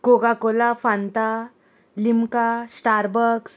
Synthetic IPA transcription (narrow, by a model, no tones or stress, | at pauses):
koɡakolafãnt̪a | limkasʈaɾbəɾks